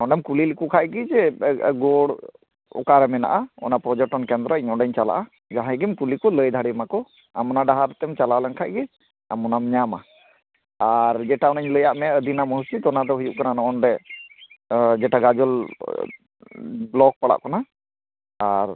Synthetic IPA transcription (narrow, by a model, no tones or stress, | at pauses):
nɔɳɖɛmkulilikukʰaʔɡid͡ʒɛɡɔɽ | ɔ̰kaɾɛmɛna̰ʔaɔ̰napɾɔd͡ʒɔʈɔnkɛnd̪ɾɔɲɔɖɛɲt͡ʃala̰ʔa | d͡ʒaɦãɡɛmkulikɔləjd̪ʱaɽimakɔ | a̰mɔnaɖaɦaɾt̪ɛmt͡ʃalalɛnkʰaʔɡɛ | a̰mɔnamɲama̰ | aɾd͡ʒɛʈaɔnaɲləjaʔmɛəd̪inamɔɦusit̪ɔnad̪ɔɦujuʔkananɔʔɔnɾɛ | d͡ʒɛʈaɡad͡ʒɔl | blɔk̚paɽa̰ʔkɔna | aɾ